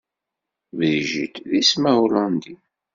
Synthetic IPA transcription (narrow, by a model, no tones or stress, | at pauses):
vðʒḭt̪ðismæwlɑnd̪i